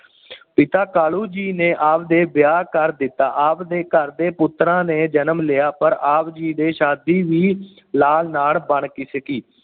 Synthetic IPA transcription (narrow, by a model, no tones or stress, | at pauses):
pɪt̪aːkaːluːd͡ʒiːneːʔaːpd̪eːbɪjaːkəɾd̪ɪt̪ːaːʔaːpd̪eːkəɾd̪eːpʊt̪ɾãːneːd͡ʒənəmleːaːpəɾaːpd͡ʒiːd̪eːʃaːd̪iːʋiː | laːlnaːlbəɳkiːsəkiː